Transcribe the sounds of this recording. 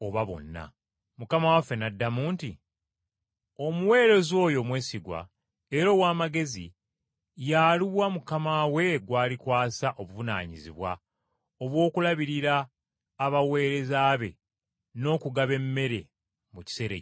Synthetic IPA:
o̞βaβo̞̰nːa̰ | mukamawafe̞nadːamuːntḭ | o̞muwe̞ːɾe̞zo̞ːjo̞mwe̞ːsiɡwa̰ | eɾo̞ːwaːmaɡe̞zi | jaːliwamukamawe̞ɡwaːlikwaːsaʔo̞βuvuna̰ːɲiziβwa̰ | o̞βwo̞ːkulaβiɾiɾaː | βawe̞ːɾe̞zaːβe̞̰ | no̞ːkuɡaβe̞mːe̞ɾe̞ | muci̥se̞ɾḛ

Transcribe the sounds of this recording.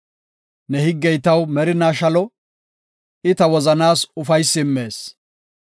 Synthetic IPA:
nɛhɪɡːɛjt̪ɐwmɛɾɪnaːʃɐlɔ | ɪt̪ɐwɔzɐnaːsʊfɐjsːɪmːe̞ːs

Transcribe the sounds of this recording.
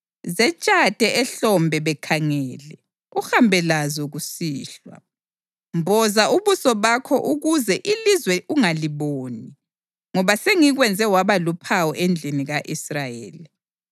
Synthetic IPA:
zɛt͡ʃʼatʼɛʔɛɬɔmbʱɛβɛkʰaŋɛːlɛ | uxambʱɛlazɔɣusiːɬwa̰ | mbʱɔzaʔuβusɔβakʰɔʔuɣuzɛʔilizwɛʔuŋaliβoːni | ŋɔβaseŋiɣwɛnd͡zʱɛwaβalupʰawɔʔend͡ɮʱiniɣaʔisrajḛːli

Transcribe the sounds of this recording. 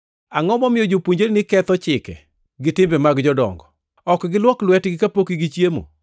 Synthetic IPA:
aŋɔmɔmɪjɔd͡ʒopuɲd͡ʒeɾnɪkɛt̪ɔt͡ʃɪkɛ̰ | ɡɪtɪmbɛmaɡd͡ʒɔdɔ̰ŋɡɔ | ɔkɡɪlwɔklwɛtɡɪkapokiɡit͡ʃjemo̰

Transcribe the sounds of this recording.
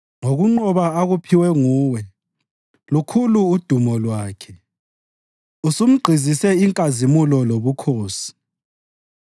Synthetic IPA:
ŋoɣuŋ͡ǃɔβaaɣupʰiwɛŋuːwɛ | lukʰuluːd̥ʱumɔlwaːkʰɛ | usum̩ɡ͡ǀʱizisɛiŋkʼazimulɔloβukʰoːsi̥

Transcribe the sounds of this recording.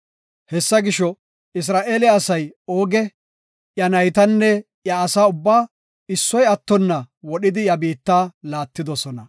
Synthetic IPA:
hɛsːɐɡɪʃɔ | ɪs̬ɾaːʔeːlɪɐsɐjo̞ːɡɛ | ʔjɐnɐjt̪ɐnːɛ | jɐːsaːʊbːaː | ɪsːɔjɐt̪ːɔnːɐ | wɔɗɪd̪ɪjɐbiːt̪ːaːlaːt̪ːɪd̪ɔsɔnɐ

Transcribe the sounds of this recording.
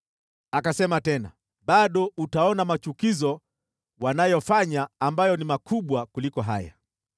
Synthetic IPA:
akasɛmatɛna̰ | ɓaɗɔutaɔnamat͡ʃukizɔ | wanajɔfaɲaːmbajɔnimakuɓwakulikɔɦa̰ja̰

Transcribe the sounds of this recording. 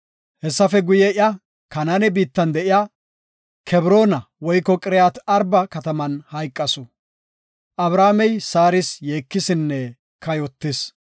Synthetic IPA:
hɛsːɐfɛɡʊjɛʔɪɐ | kɐnɐnɛbiːt̪ːɐnd̪ɛʔɪja | kʰɛbɾo̞ːnɐwɔjkːɔkʼɪɾɛjat̪ɐɾbɐkɐt̪ɐmɐnhɐjkʼːɐsɔ | ʔɐbɾaːmɛjsaːɾɪsjeːkːɪsɪnːɛ | kɐjɔt̪ːɪs

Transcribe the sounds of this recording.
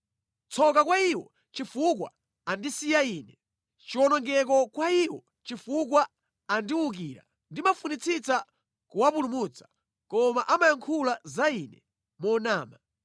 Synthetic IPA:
t͡sʰɔkakwaiwɔ̰ | t͡ʃifukwa̰ | andisijaiːnɛ | t͡ʃiwɔnɔŋɡɛk̬ɔkwaiwɔ̰ | t͡ʃifukwa | andiwuk̬iɾa̰ | ndimafunit͡sʰit͡sa | kuwapulumut͡sḁ | kɔmaʔamajaŋkʰulazainɛ̰ | mɔnaːma

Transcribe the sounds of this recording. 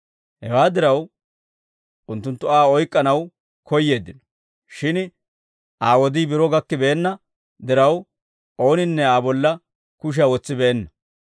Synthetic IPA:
hɛwaːd̪ɪɾɐw | ʊnt̪ːʊnt̪ːʊaːɔjkʼːɐnɐw | kʰɔjːe̞ːd̪ːɪnɔ̥ | ʃɪn | ʔaːwɔd̪iːbɪɾɔɡɐkːɪbeːnːɐ | d̪ɪɾɐw | o̞ːnɪnːɛaːbɔlːɐ | kʊʃ̬awɔt͡sːɪbɛʔɛnːɐ̥

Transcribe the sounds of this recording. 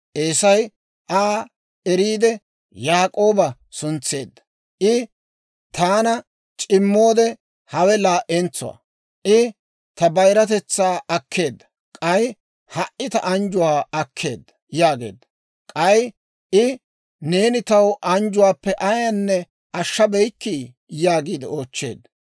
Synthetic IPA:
ʔeːsɐj | ʔaː | ɛɾiːd̪ɛ | jaːkʼo̞ːbɐ | sʊnt͡sːe̞̰ːd̪ːɐ̥ | ʔɪ | t̪aːnɐ | t͡ʃʼɪmːo̞ːd̪ɛ | hɐwɛlaːʔɛnt͡sːʊ̰wɐ̰ | ʔɪ | t̪ɐbɐjɾɐt̪ɛt͡sːaːɐkʰːe̞ːd̪ːɐ̥ | kʼɐj | hɐʔːɪt̪ɐʔɐnd͡ʒʊwaːɐkʰːe̞ːd̪ːɐ̥jaːɡe̞̰ːd̪ːɐ | kʼɐj | ʔɪ | ne̞ːnɪt̪ɐwʔɐnd͡ʒʊwaːpːɛʔɐjɐnːɛ | ɐʃːɐbɛjkːi | jaːɡiːd̪ɪoːt͡ʃːe̞ːd̪ːɐ

